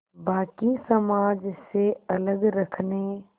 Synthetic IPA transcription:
baːkisɐmaːd͡ʒseɐləɡɾɐkʰne

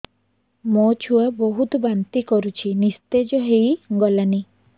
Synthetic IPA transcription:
mot͡ʃʰuaboɦut̪ɔbant̪ikɔɾut͡ʃʰinist̪ed͡ʒɔɦejɡɔlani

